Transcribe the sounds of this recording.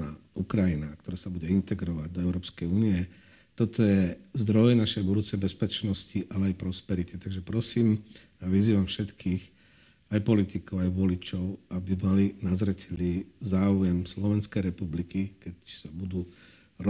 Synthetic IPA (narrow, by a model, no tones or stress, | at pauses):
aukɾajinak̚t̪ɔɾaːsabuɟɛint̪ɛɡɾɔʋaɟd̪ɔɛʊɾɔːpskɛjuːniɛ | t̪ɔt̪ɔjɛzd̪ɾɔjnaʃɛjbud̪uːt͡sɛjbɛspɛt͡ʃnɔsciʔalɛajpɾɔspɛɾit̪it̪aɡʒɛpɾɔsiːm | aʋiziːʋamfʃɛt̪kʰiːx | ajpɔlit̪ikɔʊajʋɔlit͡ʃɔʊabimalinazɾɛcʰɛliːzaːʊjɛmslɔʋɛnskɛjɾɛpublikikɛcsabud̪uː | ɾ